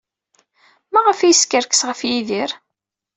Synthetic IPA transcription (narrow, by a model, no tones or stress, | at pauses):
mæʁəfijəskəɾkə̥sʁəfjiðiɾ